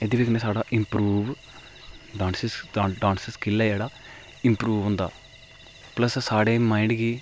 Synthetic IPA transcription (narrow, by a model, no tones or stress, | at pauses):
ed̪iʋikɐnesaːɽaːʔĩmpɾuːʋ | ɖaːnsisːɖãːnsiskilːajaːɽa | impɾuːʋũnd̪a̰ː | plɐssaːɽeːmaːiɳɖɡi